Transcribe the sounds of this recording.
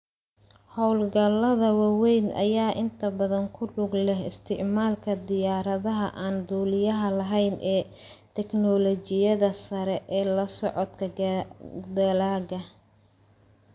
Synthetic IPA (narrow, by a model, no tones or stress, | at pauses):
hɔwlɡɐlɐðɐwɑwɛjnɐ̰jaːʔɪnt̪ʰɐbɐðɐŋkʰʊɖʊɡlɛhɪ̰st̪ʰɪʕmaːlkʰɐd̪ɪjaːɾɐðɐɦɐʔaːnd̪uːlɪjɐɦɐlɐɦɛjnʔɛː | t̪ʰɛknɔlɔt͡ʃɪjɐðɐsɐɾɛʔɛːlɐsɔʕɔd̪kʰɐ | d̪ɐlaːɣɐ